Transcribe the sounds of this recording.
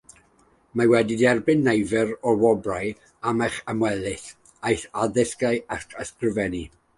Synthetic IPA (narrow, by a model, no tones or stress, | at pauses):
mawɛdidɛrbɨnːejvɛɾɔwɔbraj | amaχəmwɛlˠɪθ | ajθaðɪskajakʰəskrɨvɛni